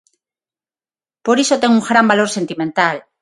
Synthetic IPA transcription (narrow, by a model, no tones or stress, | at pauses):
poɾisot̪eŋuŋxɾambalo̞ɾse̞nt̪imẽnt̪al